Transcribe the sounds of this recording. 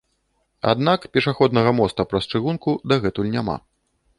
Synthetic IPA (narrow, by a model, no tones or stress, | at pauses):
a̰d̪nakpʲɛʂaxɔd̪nɐɣɐmɔst̪ɐpɾɐst͡ʂɨɣunkud̪ɐɣɛt̪ulʲnʲama̰